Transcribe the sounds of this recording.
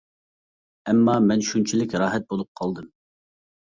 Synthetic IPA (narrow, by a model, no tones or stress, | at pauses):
ɛmːɑːmɛnʃunt͡ʃʰilɪkʲɾɑːɦɛt̪̚bolˠup̚qʰɑlˠd̪ɨm